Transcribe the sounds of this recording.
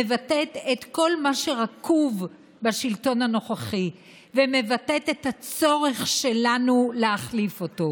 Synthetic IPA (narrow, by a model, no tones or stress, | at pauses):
evatetetko̞lmaʃe̞ʁakʰuv | baʃilto̞nano̞χaχi | veme̞vatet̪ethat͡so̞ʁe̞χʃe̞lanuleaχlifo̞to̞